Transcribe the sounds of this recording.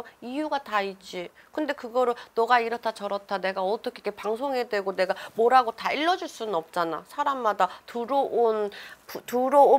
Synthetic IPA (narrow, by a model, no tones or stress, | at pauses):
ijuɡataid͡ʑ͈i | kɯnde̞kɯɡʌɾɯɭnʌɡaiɾʌtʰat͡ɕʌɾʌtʰane̞ɡaʌt͈ʌkʰekʰepaŋsʰoŋɦe̞dwe̞ɡone̞ɡamoɾɦaɡotaiɭːʌd͡ʑuɭs͈unɯnʌp̚t͡ɕ͈ana̰sʰaɾamːadatuɾoonputuɾoo